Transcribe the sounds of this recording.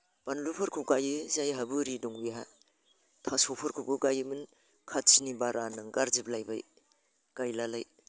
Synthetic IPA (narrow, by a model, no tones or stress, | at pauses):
b̥anlupʰɯɾkʰuɡajɯzajɦabɯɾiduŋbiɦa | tʰasopʰɐɾkʰuɡuɡajɯmɯn | kʰat̚sinibaɾʔanɐŋɡaɾziplajba̰j | ɡ̥ajlala̰j